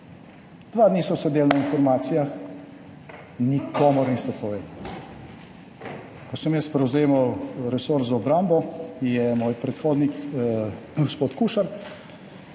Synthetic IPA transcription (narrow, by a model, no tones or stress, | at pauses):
d̪̥ʋaːd̪nisɔsɛd̪eːlnainfɔɾmaːt̪sijax | nikɔːmɔɾnist̪ɔpɔʋeːd̪ | kɔsəmjɛst̪pɾɛwzeːmawɾɛsoːɾzaɔbɾaːmbɔkijɛmoːjpɾɛt̪xoːd̪nik | ɡospoːt̪kuʃaɾ